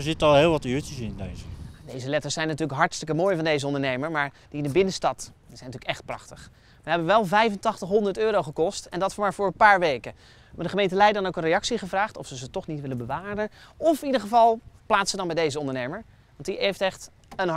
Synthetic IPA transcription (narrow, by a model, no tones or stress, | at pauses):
ɹzɪtəɑlˠɦɪːlˠʋɑtyːtəsndejzəjadejzəlɛtəɹsɛjnːatyːləkɦɑɹtstəkəmoːjvɑndejzəɔndəɹnejməɹmaːɹ | d̥iɪnəbɪnəstɑtdiz̥ɛjnɑtyːləkɛχt̚prɑ̰χtəχ | ʋəɦɛbəʋɛlˠvɛjvəntɑχtəχɦɔndəɹtøːɾowχəkɔstɛndɑtfʊɹmaːɹv̥ʊːɹənpaːɹʋejkə | madəχəmejntəlɛjdədɑnowkənrejɑksiχəvraːχtɔfsəzətɔχnitʋɪlənbəʋaːrənɔfnidəχəvɑlˠplaːtsədɑnbɛjdejzəɔndənejməɹ | ʋɑntiejftɛχt | ən